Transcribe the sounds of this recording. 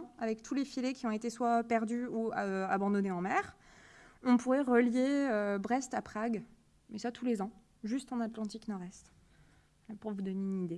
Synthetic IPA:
avɛkt̪ʰulefilekʲiɔ̃et̪eswapɛʁd̪yuøabɑ̃d̪ɔneɑ̃mɛːʁ | ɔ̃puʁɛʁəljeøbʁɛst̪apχaɡ | mɛsat̪ʰulezɑ̃ | ʒyst̪ɑ̃nat̪lɑ̃t̪iknɔʁɛst̪ | puʁvud̪ɔneynid̪e

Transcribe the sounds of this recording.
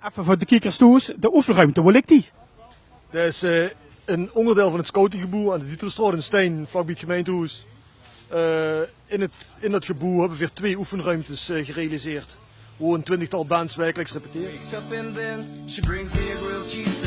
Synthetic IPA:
ɛfəvɔdəkikəʁstuːsdəʔufənrœɥmtəʋɔlɪk̚ti | d̥əɪs | ənɔndərdeːlˠvɑnətskowtɪŋɣəbuandəditrəstrɑːdənstɛjnflɑk̚bitxəmejntəus | ə | ɪnətɪndɑtxəbuɦɛbʋəviːrtʋeːufənrœɥmtəsɣərejalizɪːrt | ʋoːəntwɪntəxtɑlˠbɛnsʋɛrkələksrepətɪːeksʌpɪ̃nðɛ̃nʃibɹɪ̃ŋzmiəɹilˠt͡ʃʰiz

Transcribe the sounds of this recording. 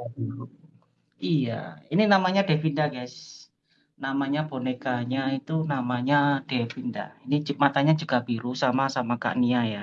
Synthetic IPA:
ija̰ininamaɲadefindaɡajs | namaɲabonekaɲait̪unamaɲad̥epinda̰inid͡ʒumat̪aɲad͡ʒuɡ̥abiɾusamasamaka̰ʔniaja

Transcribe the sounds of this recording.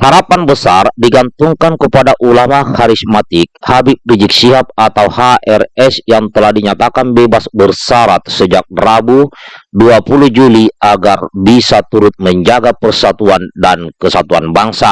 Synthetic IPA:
haɾapanbəsardiɡant̪uŋkankəpadaʔulamahaɾismat̪ɪk̚habip̚did͡ʒik̚siɦap̚at̪awhaʔɛrɛsjaŋt̪əlahdiɲat̪akanbebasbərsaɾat̪̚səd͡ʒak̚rabuduapuluhd͡ʒuliʔaɡarbisat̪uɾʊt̪̚məɲd͡ʒaɡapərsat̪uandankəsat̪uanbaŋsa

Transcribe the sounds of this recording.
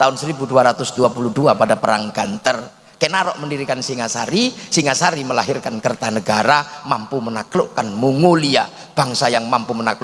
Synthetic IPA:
t̪aʊnsəɾibuduaɾat̪ʊsd̥uapuluduapadapəɾa̰ŋɡant̪ər | kenaɾɔʔməndiɾikansiŋasa̰ɾisiŋasaɾiməlaɦɪrkankərt̪anəɡaɾamampumənaklʊʔkanmuŋolia | b̥a̤ŋsajaŋmampumənaklʊ

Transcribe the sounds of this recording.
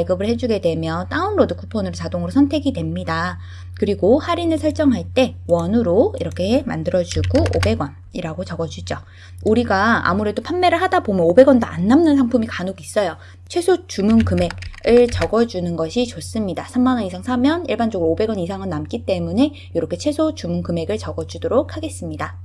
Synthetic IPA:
ɭɡɯbɯɭhe̞d͡ʑuɡe̞dwe̞mjʌnt͈aɯnɾodɯkʰupʰonɯɾot͡ɕadoŋɯɾosʰʌntʰe̞ɡidwe̞mɲida | kɯɾiɡohaɾinɯɭsʰʌɭt͡ɕ͈ʌŋɦaɭt͈e̞wʌnɯɾoiɾʌkʰe̞ɦema̰ndɯɾʌd͡ʑuɡoobe̞ɡwʌn | iɾaɡot͡ɕʌɡʌd͡ʑud͡ʑo | uɾiɡaa̰muɾe̞dopʰamːe̞ɾɯɭɦadabomjʌnobe̞ɡwʌndoa̰nːamnɯnsʰaŋpʰumikanoɡis͈ʌjo | t͡ɕʰwe̞sʰot͡ɕumunkɯme̞ɡɯɭt͡ɕʌɡʌd͡ʑunɯnɡʌɕʰit͡ɕos͈ɯmɲidasʰamːanʌnisʰaŋsʰamjʌniɭband͡ʑoɡɯɾoobe̞ɡwʌnisʰaŋɯnːamk͈it͈e̞mune̞ | joɾʌkʰe̞t͡ɕʰe̞sʰot͡ɕumunkɯme̞ɡɯɭt͡ɕʌɡʌd͡ʑudoɾok̚ʰhaɡe̞s͈ɯmɲida

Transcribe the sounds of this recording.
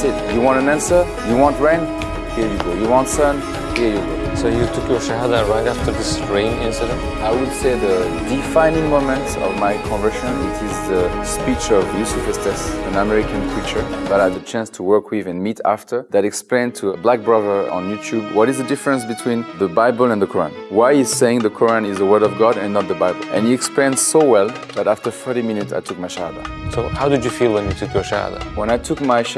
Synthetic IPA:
sɛdjuwɑ̃ntə̃næ̃nsə˞ | juwɑ̃ntɹɛ̃ɪ̃n | hiɹjuɡojuwɑ̃ntsʌ̃n | hijɨbo | sojutʰukjoʃahadãɹãɪ̃naftə˞ðɪsɹẽɪ̃nɪ̃nsidə̃ | aɪwɨdseðə | difãɪ̃nĩŋmõmɛ̃ntɔ̰vmajkʰɔ̃nvɜ˞ʃə̃nɪ̰tʰɪzðəspit͡ʃɔvjusifəstɛsɛ̃namɛɹikãnkʰɹit͡ʃə˞ðaɾadət͡ʃæ̃nstʰuwɜ˞kʰwivɛ̃nmitʰa̰ftʰə˞ðaɾɛksplẽɪ̃ntʰuəblak̚bɹʌðə˞ə̰̃njutʰjub̚wʌɾizðədɪfəɹə̃nsbitʰw̥ĩnðəbaɪbl̩ˠɛ̃nðəkʰɔɹã̰nwajiz̥seɪ̃ŋðəkʰɔɹãnɪzðəwɜ˞ɾɔvɡɑɾɛ̃nːɔt̪̚ðəbaɪbl̩ˠʔɛ̰̃niɛksplẽɪ̃nsowɛlˠðæɾaftə˞θɜ˞ɾimĩnɪtsa̰ɪtʰuk̚maɪʃaba̰soʊhaʊdɨd͡ʒjɨfilˠwɛ̃njutʰukjɔʃa̰də̰wɛ̃ñaɪtʰukmaɪʃ

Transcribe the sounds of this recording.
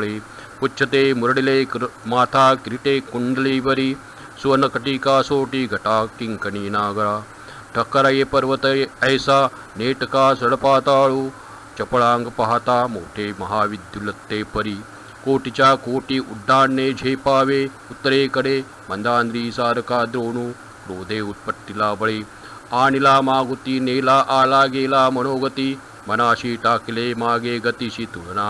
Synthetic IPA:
ɭe | put͡ʃːt͡ʃʰːɐt̪eːmuɾɐɽileːmaːt̪ʰaːkɾiʈeːkuɳɖɐliːʋɐɾi | suʋɐnɐkɐʈiːkaːsoːʈiɡʱɐʈaːkiŋkɐniːnaːɡɐɾaː | ʈʰɐkːɐɾɐjepɐɾʋɐt̪ɐɐjsaː | neːʈɐkaːsɐɽɐpaːt̪aːɭu | t͡ʃɐpɐɭaːŋɡɐpɐɦaːt̪aːmo̰ːʈʰeːmɐɦaːʋid̪ʱjulɐt̪ːeːpɐɾi | koːʈit͡ɕakoːʈiːʔuɖʱːaːnːed͡ʒʱejpaːʋe | ut̪ːəɾeːkəɽe | mɐnd̪aːnd̪ɾiːsaːɾkaːd̪ɾoːɳuː | kɾoːd̪ʱeːut̪̚pəʈ̪ːilaːbɐɭeː | aːnilaːmaːɡut̪iːneːlaʔaːlaːɡeːlaːmɐñoːɡət̪iː | mɐnaːɕiːʈaːkilemaːɡeːɡɐt̪iɕiːt̪uɭnaː

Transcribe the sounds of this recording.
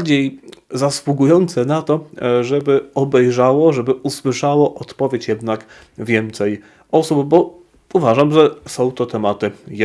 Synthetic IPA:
d͡ʑejzaswuɡujɔnt̪sɛnat̪ɔʐɛbɘɔbɛjʐawɔʐɛbɘʔuswɘʂawɔʔɔt̪pɔvʲjet͡ɕjɛd̪nak | vʲjɛnt̪sɛj | ɔsubbɔ | uvaʐamʐɛsɔ̃w̃t̪ɔt̪ɛmat̪ɘj

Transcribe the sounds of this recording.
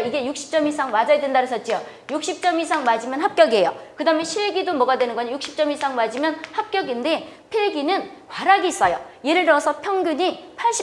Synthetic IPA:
iɡe̞juk̚ɕ͈i̥p̚t͡ɕ͈ʌmisʰaŋmad͡ʑajadwendaɾɯs͈ʰʌt̚t͡ɕ͈ijo | juk̚ɕ͈ʰip̚t͡ɕ͈ʌmisʰaŋmad͡ʑimjʌnhap̚k͈jʌɡiɦe̞jokɯdame̞ɕʰiɭɡidomʌɡadwe̞nɯnɡʌɲajuk̚ɕ͈ʰi̥p̚t͡ɕ͈ʌmisʰaŋmad͡ʑimjʌnhap̚k͈jʌɡinde̞ | pʰeɭɡinɯnkwaɾaɡiːs͈ʌjo̰je̞ɾɯɭnʌsʰʌpʰjʌŋɡjuɲipʰaɭɕ͈i

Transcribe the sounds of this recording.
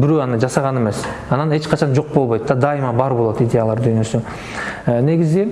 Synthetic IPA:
bɪɾøɑnɯd͡ʒɑsɑʁɑne̞me̞s | ɑnɑne̞t͡ʃqʰɑt͡ʃʰɑnd͡ʒo̞q̚bo̞lˠbo̞jt̪ːɑd̪ɑimɑbɑɾbo̞lˠot̪id̪ʲe̞jalˠɑɾd̪ynø̞sy | ne̞ɡʲizi

